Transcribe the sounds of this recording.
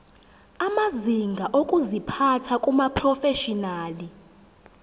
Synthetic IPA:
amaziŋɡʱaʔokʼuzipʰatʰakʼumapʰrɔfɛʃɔnaːli

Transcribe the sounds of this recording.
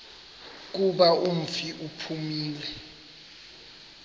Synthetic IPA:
k̬uɓaum̩fiʔupʰumiːlɛ

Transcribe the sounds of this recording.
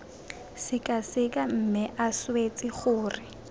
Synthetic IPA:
sɪkʼasɪkʼam̩mɪʔaswet͡sʼɪχʊːrɪ

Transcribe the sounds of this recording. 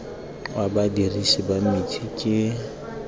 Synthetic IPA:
wabadirisibamɪt͡ʃʰikʼɪ

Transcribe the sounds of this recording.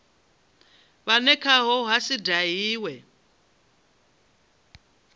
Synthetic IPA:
βanɛkʰaɦɔɦasidaɦiːwɛ

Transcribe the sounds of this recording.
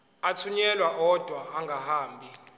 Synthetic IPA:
atʰuɲɛlwaʔɔd̥ʱwaːŋɡʱahaːmbʱi

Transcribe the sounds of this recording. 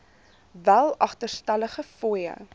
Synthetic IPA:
vælˠɐχtərstæləχəfɔjə̰

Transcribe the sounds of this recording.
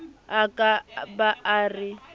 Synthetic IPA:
akʼabaarɪ

